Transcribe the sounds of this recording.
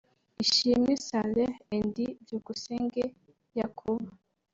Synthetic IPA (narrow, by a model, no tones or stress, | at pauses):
iʃimisaleːndivjuɡuseːŋɡe | jakʰuβa